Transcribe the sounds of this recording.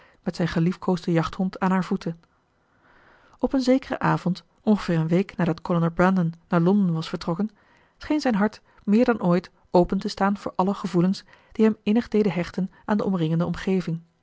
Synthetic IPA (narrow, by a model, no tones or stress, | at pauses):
mɛtsɛjnχəlifkʰoːzdəjɑχthɔntʰaːnɦaːɹv̥utʰə | ɔpənzejkərə̰ʔaːvɔnt | ɔnχəv̥ɪːɹənʋejknaːdɑtkɔlonabrɛndənːaːɹlɔndənʋɑsfəɹtrɔkən | sχejnzɛjnɦɑɹt | mɪːɹdɑnʔoːjt | owpəntəstaːnvʊːɹʔɑləχəvuləns | d̥iɦɛmɪnəχdejdəɦɛχtənʔaːndəʔɔmrɪŋəndəɔmχejvɪŋ